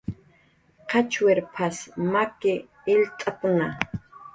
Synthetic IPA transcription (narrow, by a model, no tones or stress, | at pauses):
qʰɑt͡ʃweɾpʰasmakɪː | lt̪ʼapŋa